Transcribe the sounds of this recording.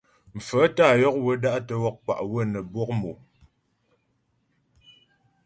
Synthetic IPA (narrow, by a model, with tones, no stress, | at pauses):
m̩˨fə˨˦ta˦˨jɔ˦k̚wə˦da˦ʔtə˦wɔ˦k̚k͡pa̰˨ʔwə˦nə˨bwɔ˦k̚mu˨